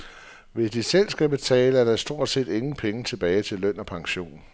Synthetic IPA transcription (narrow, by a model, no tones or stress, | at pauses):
ʋe̝sd̥isel̰sɡ̥æb̥e̝t͡sʰɛ̰ːləæɐɾ̥ɑ̈sd̥o̝ɐ̰d̥se̝̰ːd̥e̝ŋn̩pʰeŋət͡sʰe̝b̥ɛːɪt͡sʰe̝lœn̰ɒ̽pʰɑ̈ŋɕo̝̰ːn